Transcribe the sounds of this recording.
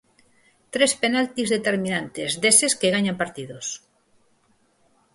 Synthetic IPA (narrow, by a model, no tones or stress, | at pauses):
t̪ɾespenalt̪izðet̪eɾmĩnant̪ezd̪eseskeɣaɲampaɾt̪iðos